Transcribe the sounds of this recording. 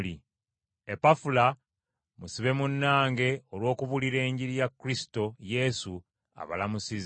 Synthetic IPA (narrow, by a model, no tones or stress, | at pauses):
li | epafula | musiβe̞munːaːŋɡe̞olwo̞ːkuβuliɾe̞ːɲɟiɾijakːuɾisi̥to̞je̞su | a̰βa̰lamusiz